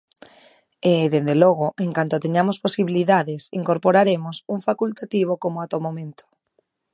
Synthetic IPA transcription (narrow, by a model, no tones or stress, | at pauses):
eðend̪elɔɣ̞oʔeŋkant̪ot̪eɲamosposiβiliðaðesḭŋkoɾpoɾaɾemosuŋfakult̪at̪iβ̞okomoat̪omomẽnt̪ʰo̥